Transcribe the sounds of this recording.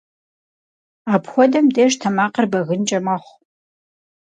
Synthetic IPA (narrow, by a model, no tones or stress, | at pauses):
aːpxʷɔdɐmdeːʃtʰɐmaːqərbɐɣɨnt͡ʃʼɐmɐχʷ